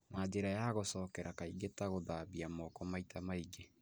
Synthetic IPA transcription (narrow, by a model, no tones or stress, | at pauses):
naːd͡ʑeɾajaɣosɔːkɛɾakaiɣetaɣoðaːβiamɔkɔmaitamaiɡe